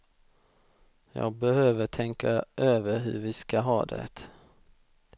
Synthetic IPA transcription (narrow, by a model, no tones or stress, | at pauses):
jɑ̰ːɡ̚bɛɦøːvəʈʰɛŋkaʔøːvəɾɦɵ̰ɾvɪskaɦɑːd̪ɛ̰t̪